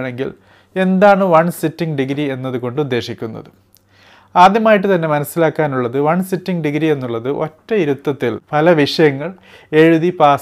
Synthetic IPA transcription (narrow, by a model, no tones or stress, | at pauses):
ɳe̞ŋɡḭl | e̞nd̪aːɳɨʋɐɳsitːiŋɡɖiɡɾie̞nːɐðuko̞ɳɖud̪ːe̞ːʂikʲːunːɐ̰ðɨ | aːd̪jɐmaːjiʈ̬ːɨt̪ɐnːe̞mɐnɐsːilaːkːaːnuɭːɐðɨʋɐɳsitːiŋɡɖiɡɾie̞nːuɭːɐðɨʔo̞̰tːɐiɾut̪ːɐt̪ːilpɐlɐʋiʂɐjɐŋːɐɭ | e̞ɻuðipaː